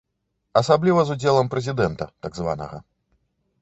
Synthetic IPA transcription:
ɐsablʲivɐzud͡zʲɛlˠɐmpɾɛzʲid̪ɛnt̪ɐt̪aɡzva̰nɐ̰ɣɐ̰

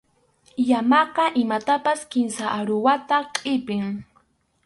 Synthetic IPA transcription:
jamɑqɑʔɪmat̪apaskɪmsaʔaɾʊwat̪aqʼɪpɪŋ

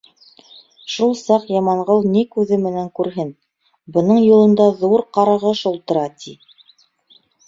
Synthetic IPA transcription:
ʃulˠsɑqjɑmɑɴʁɤlˠnikʉðɘmɘ̆næŋkʉɾɦɘn | bɤ̆nɤɴjulˠɤ̆nd̪ɑðuɾqɑɾɑʁɤʃulˠt̪ɤ̆ɾɑt̪ʰi

